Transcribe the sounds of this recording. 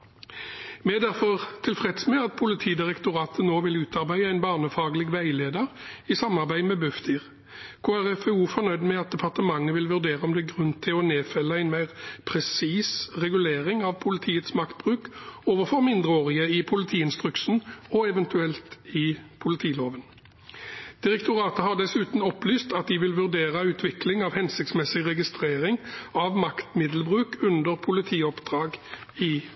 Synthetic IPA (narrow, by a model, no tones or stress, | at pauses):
mɛd̪æʁfɔʁt̪ʰɪlfʁɛd̪smɛɑt̪̚pʰʊlɪt̪ʰiːd̪ɪʁɛkt̪ʊʁɑːt̪ʰənoːʋɪlʉːt̪ɑʁbæɪəæɪnbɑːʁnəfɑːɡlɪɡʋæɪleːd̪əʁɪsɑmɑʁbæɪmɛbʉfd̪iːʁ | kʰoːæʁɛfɛuːfɔʁnœʏd̪mɛɑt̪̚d̪ɛpʰɑʁt̪əmɑŋːəʋɪlʋʉʁd̪eːʁəɔmd̪ɛɡʁʉnt̪ʰɪɔneːfɛlːəæɪnmæɪʁpʰʁɛsiːsʁɛɡʉleːʁɪŋɑʋpʰʊlɪt̪ʰiːət̪smɑkt̪̚b̥ʁʉːkoːʋəʁfɔʁmɪnd̪ʁəoːʁɪəɪpʰʊlɪt̪ʰiːɪnst̪ʁʉksn̩ɔɛʋɛnt̪ʉɛlt̪ɪpʰʊlɪt̪ʰiːloːʋən | d̪̥ɪʁɛkt̪ʰʊʁɑːt̪əhɑʁd̪ɛsʉːt̪nɔplyːst̪ɑt̪̚d̪ɪʋɪlʋʉʁd̪eːʁəʉːt̪ʰʋɪklɪŋɑʋhɛnsɪk̚t̪smɛsɪɡʁɛɡɪst̪ʁeːʁɪŋɑʋmɑkt̪mɪd̪lbʁʉːkʰʉnd̪əʁpʰʊlɪt̪ʰiːɔpd̪̥ʁɑːɡɪ